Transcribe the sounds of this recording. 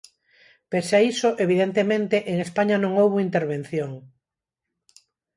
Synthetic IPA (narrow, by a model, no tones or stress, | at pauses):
pesaisoʔeβ̞iðent̪emẽnt̪eʔeŋespaɲanõŋowβoint̪eɾβen̟θjoŋ